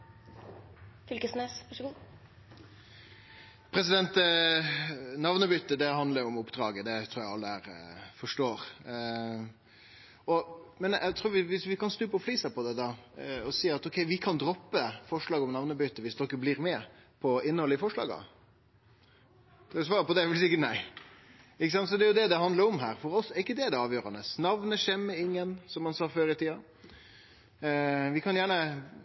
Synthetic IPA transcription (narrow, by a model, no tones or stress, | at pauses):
fʏlkəsneːsʋɑʂɡ | pʰɾɛsɪd̪ɛnt̪ | nɑʋnəbʏt̪ːəd̪ɛɦɑnd̪ləɾʊmʊpːd̪ɾɑːɡəd̪ɛt̪ʰɾuːɾjæɑlːəæɾfɔʂʈoːɾ | ɔmɛnɛɡt̪ʰɾuːɾʋɪʋɪsʋɪkʰɑnsnʉːpːɔfliːsæpʰɔd̪ɛd̪ɑɔsiːɑt̪ɔkʰɛɪʋɪkʰɑnd̪ɾɔpːəfɔʂlɑːɡɔmnɑʋnəbyt̪ːəʋɪsd̪ɔkːəblɪːɾmɛpʰɔɪnːəhɔlːəɪfɔʂɭɑ̰ːɡɑ̰ | sʋɑːɾəpɔd̪ɛʋɪlsɪkːəʈnæɪ | ɪkːəsɑnt̪sɔd̪ɛjʊd̪ɛd̪ɛɦɑnd̪əɾɔmɦæ̰ːɾfɔɾɔsɛɾɪkːəd̪ɛɛɖ̪ɛɑːʋjøːɾɑnəsnɑʋnəʂɛmːəɪŋːənsɔmhɑnsɑːføːɾɪt̪ʰiːɑ | ʋɪkʰɑnjæːɳə